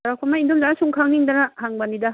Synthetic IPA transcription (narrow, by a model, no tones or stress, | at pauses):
ɾakʰomaindumzanasuŋkʰaŋniŋdɐnɐhaŋbɐnidɐ